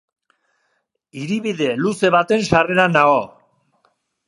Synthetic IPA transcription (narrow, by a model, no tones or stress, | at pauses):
iɾiβiðe̞luse̞βat̪e̞nʃare̞ɾanao